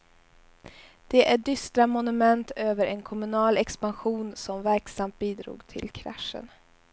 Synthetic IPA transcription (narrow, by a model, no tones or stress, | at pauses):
d̪̥ɛʔæɖʏst̪ɾamʊnɵmɛnt̪øːvəɾɛnkʰɔmɵnɑːlɛkspanɧuːnsɔmvæɾksamt̪̚biːd̪ɾṵːɡt̪ʰɪ̰lkʰɾa̰ʂə̰n